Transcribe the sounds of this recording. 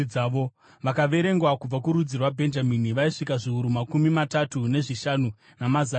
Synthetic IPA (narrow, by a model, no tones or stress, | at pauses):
aːʋo̞ | ʋakaʋe̞ɾe̞ŋɡwakub͡vakuɾud͡zirwabʱe̞nd͡ʒaminiʋaiʂikaʐiuɾumakumimatatune̞ʐiʃanu | namaza